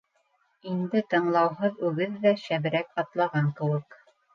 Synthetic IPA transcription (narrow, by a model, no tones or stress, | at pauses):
ind̪ɘt̪ɤ̆ɴlˠɑwɦɤðʉɡɘðːæʃæβɘ̆ɾækɑt̪lˠɑʁɑŋkɘ̆wɘk